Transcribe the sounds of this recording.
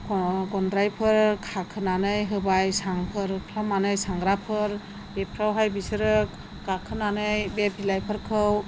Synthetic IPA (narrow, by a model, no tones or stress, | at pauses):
ɡɔndɾajpʰɯɾkʰakʰɯnanɯjɦɯbajsaŋpʰɯɾkʰlamanɯjsaŋɡɾapʰɯɾ | bepʰɾawɦajbisɯɾɯ | ɡakʰɯnanɯjbebilajpʰɯɾkʰɯw